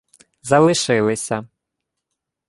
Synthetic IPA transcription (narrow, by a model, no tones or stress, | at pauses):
zɐlˠɨʂɨlˠɨsʲɐ